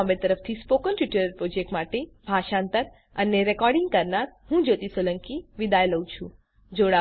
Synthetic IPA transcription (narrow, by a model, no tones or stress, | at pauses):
mbet̪əɾəft̪ʰispokənʈjiʈəɾəɾpɾod͡ʒek̚ʈmaʈebʱaʃant̪əɾ | əneɾekɔɾɖɪŋɡ̚kəɾnaɾhũd͡ʒot̪isoləŋkiʋid̪ajləw̃t͡ʃʰũ | d͡ʒoɽa